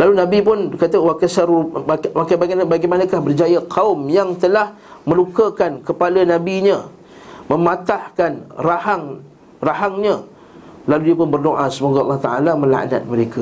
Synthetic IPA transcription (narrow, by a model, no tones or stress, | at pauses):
lalunãbipʊnkat̪əwakasaɾuwakajbaɡnabaɡajmanãkahbərd͡ʒajaqʰaʊmjaŋt̪əlah | mə̃lukəkankəpalanãbiɲã | mə̃mãt̪ahkanrahaŋ | raɦaŋɲã | laludiəpʊnbərdoʔasəmoɡaɑlːɑht̪aalamə̃la̰ʔna̰t̪̚məɾeka